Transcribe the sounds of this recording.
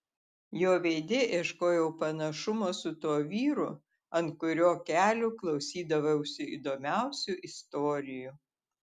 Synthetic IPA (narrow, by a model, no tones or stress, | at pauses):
joːʋʲeːd̪ʲeːʔeːʃkoːjɛʊpɐnɐʃʊmoːsʊt̪uɔʋʲiːɾʊ | ɐnt̪̚kʊɾʲoːkʲæːlʲuklˠɒʊsʲiːd̪ɐʋɐʊʃsʲɪḭd̪oːmʲæˑʊsʲuʔɪst̪oːɾʲɪju